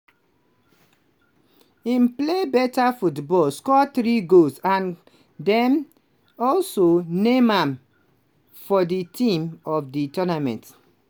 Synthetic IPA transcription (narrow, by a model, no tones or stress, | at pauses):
ĩnplebɛtafutbɔlskɔtɹiɡolsãn | dɛ̃m | ɔlsonẽmãm | fɔditʰĩmɔfditɔnamɛ̃nt